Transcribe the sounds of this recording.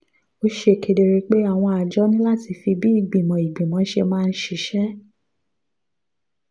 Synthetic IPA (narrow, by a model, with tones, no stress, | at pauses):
o˧˦ʃe˦˨kʰe˨˧de˧ɾe˧k͡pe˦a˦˨w̃ɔ̃˧a˨d͡ʒɔ˦nĩ˦la˦˨ti˧fi˧bi˦i˦˨ɡ͡bi˨mɔ̃˨i˨ɡ͡bĩ˨mɔ̃˨˦ʃe˧mãː˦˧n̩˦ʃi˧˨ʃɛ˦